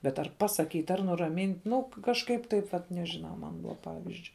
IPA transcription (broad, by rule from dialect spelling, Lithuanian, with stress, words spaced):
bʲɛt ˈɐr ˈpɑːˌsɑːˌkʲiːtʲ ɐr ˈnʊrɐmʲiːnʲtʲ ˈnʊ kɐʃˈkɐɪp ˈtɐɪp ʋɐt nʲɛʒʲɪˈnɐʊ ˈmɐn ˈpɑːʋʲɪzʲd͡ʒʲʊɪ